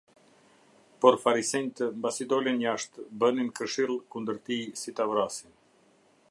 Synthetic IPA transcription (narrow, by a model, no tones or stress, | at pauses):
pɔɾfaɾisɛnt̪əmbasid̪ɔlɛnjaʃt̪bəninkəɾʃilˠkund̪əɾt̪isit̪avɾasin